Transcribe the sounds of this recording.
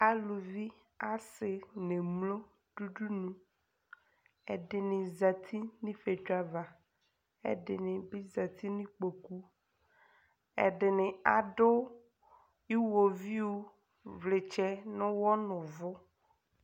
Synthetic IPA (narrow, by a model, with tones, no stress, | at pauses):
a˦lu˨vi˦ | a˦sɪ˨nẽ˨mlõ˦ | ɖ̥u˦ɖu˦nũ˦ | ɛ̰˨ɖɪ˨nɪ̃˨za˨t̪ʰi˦nĩ˦fe˨t͡ʃo˦a˦va˨ | ɛ̰˦ɖɪ̰˨nɪ̃˨bi˦za˨t̪i˦nĩ˦k͡po˨ku˦ | ɛ̰˨ɖɪ˨nɪ̃˨a˨ɖʊ˦ | i˦wo˨vi˦wo˦ | vle˨t͡ʃɛ˦nʊ̃˦wɔ˦nʊ̃˨vʊ˦